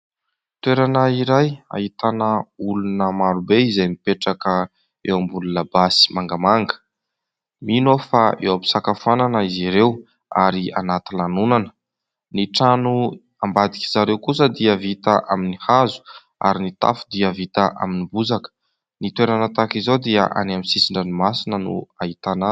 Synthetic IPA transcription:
t̪weɾanəiɾaja̰hit̪anəulunəmaɾubeizajmipeʈ͡ʂakə | ḛwambululabasi̥maŋɡamaŋɡə̥ | minofaʔewapi̥sakafananəiziɾew | aɾia̰nat̪ilanunanə̥ | niʈ͡ʂanu | ambad̪ikʲizaɾewkusəd̪iəvit̪aʔaminihazu̥ | a̰ɾinit̪a̰fu̥d̪iəvit̪əʔa̰minibuzakə̥ | nit̪weɾanat̪akizod̪iə̰ʔa̰namisisiɳɖ͡ʐənimasinənṵait̪ana

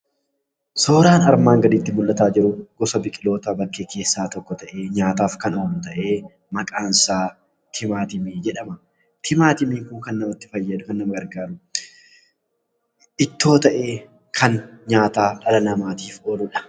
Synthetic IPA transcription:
so̞ːɾaːnɐɾmaːŋɡɐd̪ɪt̪ːɪmʊlːɐt̪aːd͡ʒɪɾʊɡ̥ɔsɐbɪkʼɪlo̞ːt̪abɐkːeːkʰe̞ːsːaːt̪ɔkːɔt̪ɐʔeːɲaːt̪aːfkɐnɐnt̪ɐʔeː | mɐkʼaːnsaː | t̪ʰɪmaːt̪ɪmiːd͡ʒɛᶑɐmɐ | t̪ʰɪmaːt̪ɪmiːŋkʊŋkɐnːɐmɐt̪ːɪ̥fɐjːɐᶑ̪ʊkɐnːɐmɐɡɐɾɡaːɾʊ | ɪt̪ːo̞ːt̪ɐʔe̞ː | kʰɐnɲaːt̪aːᶑɐlɐnɐmaːt̪iːfoːlʊᶑɐ̥

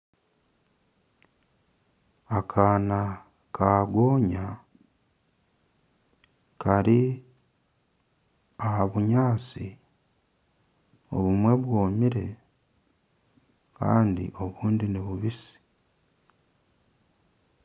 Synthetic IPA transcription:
akʰaːna | kʰaɡo̞ːɲa | kaɾi | ahaβuɲaːsi | o̞̰βumwe̞βwo̞ːmiɾe̞ | ka̰ːndḭʔo̞βuːndineβuβisi̥

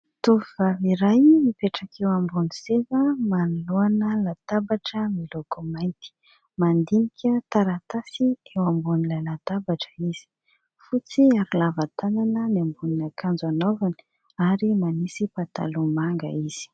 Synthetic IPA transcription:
t̪uvivaviɾajmipeʈ͡ʂakʰewambunisevəmanuluanəlat̪abaʈ͡ʂəmiloɡomajnt̪i̥ | mand̪inikʲʰət̪aɾat̪asiewambunilajlat̪abaʈ͡ʂə̥iz̥i̥ | fut͡siaɾilavat̪ananəniambuninakʰand͡ʒanovani̥ | aɾimanisipat̪a̰lumaŋɡə̰iz̥i̥

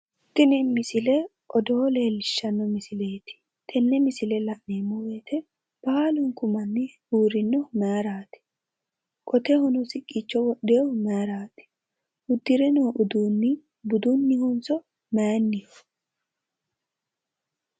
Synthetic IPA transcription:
t̪ːɪnɪmɪsɪlɛ | ʔɔd̪ɔle̞ːlːɪʃːɐnːɔmɪsɪleːt̪ɪ̥ | t̪ʰɛnːɛmɪsɪlɛlɐʔneːmːɔweːt̪ʰɛ | b̥aalʊŋkʊmɐnːɪ | uːɾɪnːɔmaaɾaːt̪ɪ̥ | kʼɔt̪ɛhɔnɔsɪkʼːiːt͡ʃːɔwɔɗːɛjɔmaaɾaːt̪ɪ̥ | hʊd̪ːɪɾɛnoːʔʊd̪uːnːɪ | bʊd̪unːɪhɔnsɔ | manːɪjɔ

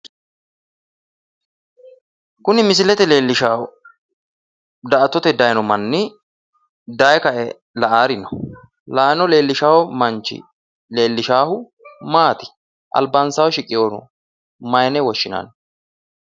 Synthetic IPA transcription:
kʊnɪmɪs̬ɪlɛt̪ɛleːlːɪʃa | d̪ɐɐt̪ːɔt̪ɛd̪ɐjnɔmɐnːɪ | d̪ɐjkɐʔɛ | lɐʔaːɾɪnɔ̥ | laːnɔleːlːɪʃaːwɔmɐnt͡ʃːɪ̰ | leːlːɪʃaːhʊ | maːt̪ɪ̥ | ʔɐ̰lbaːnsaːwɔʃɪkʼːɪjoːnɔ̰ | mɐjnɛwɔʃːɪna̰n

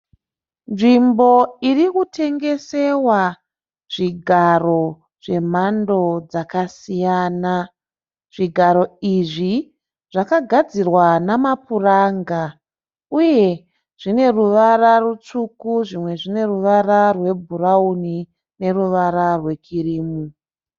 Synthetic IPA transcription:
nʐimbo̞irikutʰe̞ŋɡe̞se̞wa | ʐ̥iɡʱaro̞ | ʐ̥e̞mando̞d͡zakasijaːna | ʐ̥iɡʱaɾo̞iʐi | ʐ̥akaɡʱad͡zirwanamapuraːŋɡa | uje̞ | ʐ̥ine̞ruʋararut͡ʂukuʐimwe̞ʐine̞ruʋararwe̞bʱurauni | ne̞ruʋaɾarwe̞kʰiriːmu

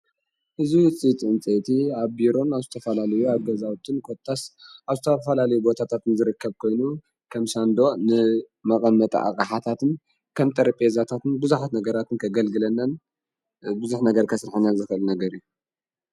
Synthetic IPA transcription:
ʔɨzit͡sʼit͡sʼɨɨnt͡sʼet̪ʰiaβbiɾo̞naβzɨt̪ʰɐfɐlalɐjuaβɡɐzawt̪ʰɨnkʰot̪ʰʼːasʔaβzɨt̪ʰɐfɐlalɐjubo̞t̪ʰat̪ʰat̪ɨnzɨɾɨkʰːɐβkʰo̞jnu | kʰɐmsand̪o̞nɨ | mɐkʼɐmːɐt̪ʼɐ̰ʔa̰kʼaħat̪ʰat̪ʰɨn | kʰɐmt̪ʼɐɾpʼezat̪ʰat̪ɨnbɨzuħat̪nɐɡɐɾat̪ʰɨnkʰɐɡɐlɡɨlɐnːɐn | bɨzuħnɐɡɐɾkʰɐsɾħinazɨxɨʔɨlnɐɡɐɾiju

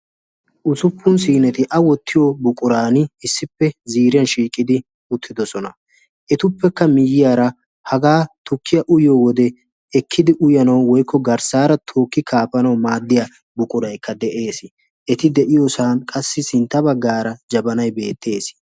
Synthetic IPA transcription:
ʔʊsʊpːʊns̬iːnɛt̪ɪʔɐwɔt̪ʰːɪjobʊkʼʊɾaːnɪɪsːɪpːɛziːɾɪjɐnʃiːkʼɪd̪ɪ | ʊt̪ʰːɪd̪ɔsɔnɐ | ʔɛt̪ʊpːɛkːɐmɪjːɪjaːɾɐ | hɐɡaːt̪ʊkːɪjɐʔʊjoːwɔd̪ɛ | ɛkʰːɪd̪ɪʔʊjɐnɐwwɔjkːɔɡɐɾsaːɾɐt̪ʰo̞ːkːɪkʰaːpɐnɐwmaːd̪ːɪja | bʊkʼʊɾɐjkːɐd̪ɛʔe̞ːs | ʔɛt̪ɪd̪ɛʔɪjoːsaːnkʼɐsːɪsɪnt̪ːɐbɐɡːaːɾɐd͡ʒɐbɐnɐjbe̞ːt̪ːe̞ːs

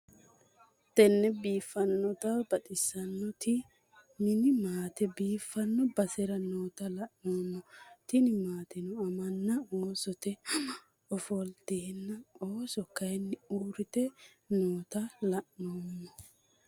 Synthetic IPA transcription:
t̪ɛnːɛbiːfːɐnːɔt̪ɐbɐt̪ʼɪsɐnːɔt̪ɪ | mɪnɪmaːt̪ɛbiːfːɐnːɔbɐsɛɾɐnoːt̪ɐlɐʔnoːmːɔt̪ɪnɪmaːt̪ɛnɔɐmɐnːɐoːsɔt̪ɛ | ɔfɔlt̪eːnːɐoːsɔkːɐjɛnːɪuːɾɪt̪ɛ | noːt̪ɐlɐʔːoːmːɔ

